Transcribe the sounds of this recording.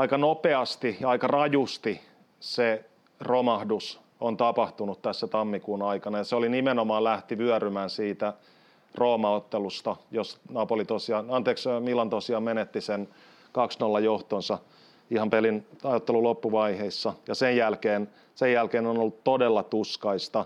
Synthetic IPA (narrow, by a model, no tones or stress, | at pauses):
ɑikɑnopeɑst̪ijɑɑikɑrɑjust̪i | se | romɑhdus | ont̪ɑpɑht̪unut̪t̪æsːæt̪ɑmːikuːnɑikɑnɑjɑseolinimenomɑːlæht̪iʋyæɾymæːnsiːt̪æ | roːmɑot̪ːelust̪ɑjosnɑːpolit̪osiɑːnɑnt̪eːksmilːɑnt̪osiɑːmmenet̪ːisen | kɑksnolːɑjoht̪onsɑ | ihɑmpelinɑjot̪ːelulopːuʋɑiheisːɑjɑsejjælkeːn | sejjælkeːnonolːut̪t̪ːodelːɑt̪uskɑist̪ɑ